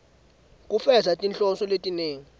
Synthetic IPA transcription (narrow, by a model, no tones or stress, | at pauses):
kʼufɛzatʼint͡ɬʼɔsɔletʼineːŋi